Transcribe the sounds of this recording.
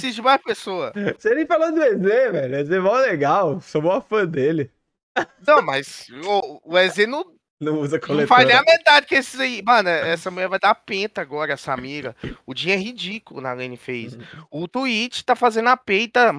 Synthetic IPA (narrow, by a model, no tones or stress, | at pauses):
sid͡ʒɪmajpesoɐseɾẽfalõd̪ʊezevɛlʊezemãwɛleɡawsomoɐfɐ̃d̪elɪ | nɐ̃ww̃mɐzoʊezenɐ̃w̃ | nɐ̃w̃uzɐkʰolẽfajznẽɐmet̪ad͡ʒɪkɪesɪzeimɐ̃nɛɛsɐmũjɛɾvajd̪apẽt̪ɐaɡɔɾɐasamiɾɐʊd͡ʒĩɐɛɦid͡ʒikʊlˠʊ̰nɐ̰lẽnɪfejsʊt̪uit͡ʃɪ̥t̪afazẽnd̪ʊapejt̪ɐ